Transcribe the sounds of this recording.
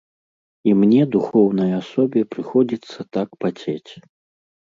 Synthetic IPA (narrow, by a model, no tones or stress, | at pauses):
imnʲɛd̪uxɔwn̪ɐjɐasɔbʲɛpɾɨxɔd͡zʲit̪sːɐt̪akpat͡sʲet͡sʲ